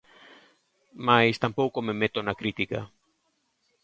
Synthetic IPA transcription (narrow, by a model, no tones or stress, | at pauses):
majst̪ampowkomemet̪onakɾit̪ika̰